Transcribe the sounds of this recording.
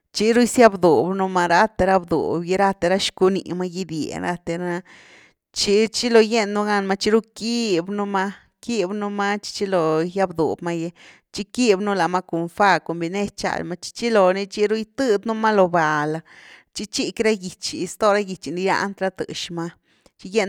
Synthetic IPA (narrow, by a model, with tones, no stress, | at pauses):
t͡ʃi˦ɾu˦jsja˦bd̪u˨bnu˧ma˧ɾa˦t̪e˧ɾa˦bd̪ṵ˨bje˧ɾa˦t̪e˧ɾa˦ʃku˧ni˨ma˦ji˦d̪jḛ˨ɾa̰˧t̪e˧ɾa˧˦a˧ | t͡ʃi˦t͡ʃi˦lo˧˨je˦nːu˦˧ɡa˦nma˦t͡ʃi˦ɾu˦ki˦bnu˦ma˦ | ki˦bnu˦ma˦t͡ʃi̥˦t͡ʃi˦lo˨ja˦bd̪ṵ˨bma˦je˧ | t͡ʃi˦ki˦bnu˦la˨ma˦ku˨nfa˦ko˨mbi˧ne˦t͡ʃa̰˧˨lma˦t͡ʃi̥˦t͡ʃi˦lo˨ni˧t͡ʃi˦ɾu˦jt̪ɨ˦d̪nu˦ma˦lo˨ba˨la˧t͡ʃi˦t͡ʃi˦kɾa˦ɡi˨t͡ʃi˨˧st̪o˦ɾa˦ɡi˨t͡ʃi˨ni˧ja̰˦ʔnt̪ɾa˦t̪ɨ̰˨ʃma˦ | t͡ʃi˦je˦n